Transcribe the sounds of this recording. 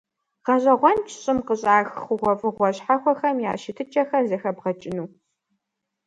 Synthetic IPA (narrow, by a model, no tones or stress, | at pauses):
ʁ̥ɐɕʼɐʁʷɔnt͡ʃʰɕʼɪmqəɕʼaːxxʷʊʁʷɔfʼɨʁʷɔɕħaxʷɔxɐmja̰ːʃɪtʰɨt͡ʃʼɐxɐrzɐxɐbʁɐt͡ʃʼɪnuː